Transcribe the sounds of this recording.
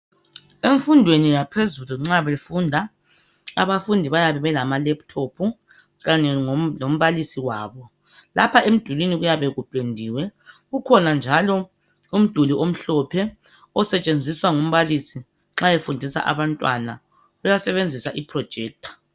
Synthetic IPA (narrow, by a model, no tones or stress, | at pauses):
eɱfundʱwenijapʰezuluŋ͡ǁaβefundʱa | aβafundʱiβajaβɛβɛlamalɛp̚tʰopʰu | ɣaɲɛŋlom̩βalisiwaːβɔ | lapʰaʔem̩d̥ʱuliniɣujaβɛɣub̥ʼʱendʱiwɛɣukʰɔnand͡ʒʱalɔ | um̩d̥ʱuliʔom̩ɬɔpʰɛ | ɔsɛt͡ʃʼend͡zʱiswaŋum̩βalisi | ŋ͡ǁajefundʱisa̰ʔa̰βantʼwa̰na | ujasɛβend͡zʱisaʔipʰrɔ̥ʒ̥ʱɛːk̚tʰḁ